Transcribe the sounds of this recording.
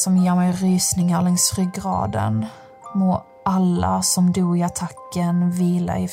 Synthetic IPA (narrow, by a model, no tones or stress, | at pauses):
sɔmjeːɾmɛjɾyːsnɪŋaɾɭɛŋsɾʏɡɾɑ̰ːd̪ə̰n | moː | ʔalːa̰sɔmd̪uːɡɪat̪ʰakːənviːla̰ɪ